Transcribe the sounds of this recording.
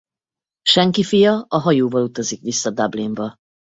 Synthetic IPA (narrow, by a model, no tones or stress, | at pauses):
ʃɛŋkifijɒɒɦɒjoːvɒlut̪ɒzikʋisːɒd̪abliɱbɒ